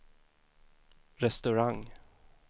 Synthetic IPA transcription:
ɾɛst̪ɵɾaŋ

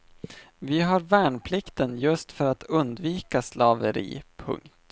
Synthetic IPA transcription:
vɪɦaɾvæːɳpʰlɪkt̪ənjɵst̪fœɾat̪ʰɵnd̪viːkaslɑːvəɾḭːpʰɵ̰ŋkt̪

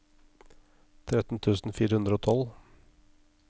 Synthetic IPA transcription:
t̪ʰɾɛt̪n̩t̪ʰʉːsn̩fiːɾəhʉnd̪ɾəoːt̪ʰɔl

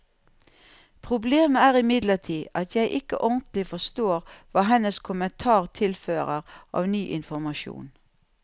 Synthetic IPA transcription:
pʰʁʊbleːməæːʁɪmɪd̪ləʁtʰiːʔɑt̪ʰjæɪʔɪkə̰ʔɔnt̪lɪfɔst̪oːʁʋɑːɦɛnəskʰʊmənt̪ʰɑːʁt̪ʰɪlføːʁəʁʔɑ̰ːʋnyːʔɪnfɔɾmɑʃjṵːn

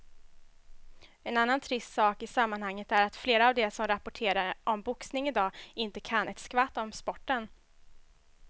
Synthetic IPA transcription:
ɛnanːant̪ʰɾɪst̪sɑːkɪsamːanhaŋːət̪æɾat̪fleːɾaːvd̪ɛsɔmɾapʊʈʰeːɾaɾʔɔmbʊksnɪŋɪd̪ɑːɪnt̪əkʰanːʔɛt̪skvat̪ːɔmspɔʈːən

